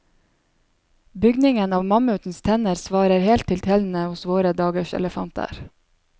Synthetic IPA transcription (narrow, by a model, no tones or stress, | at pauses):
bʏɡnɪŋənɑːʋmɑməʉːt̪n̩st̪ʰɛnəɾsʋɑːɾəɾhɛːlt̪ʰːɪlt̪ʰɛːln̩əhʊsʋoːɾəd̪ɑːɡəʃɛ̰ləfɑnt̪ʰə̰ɾ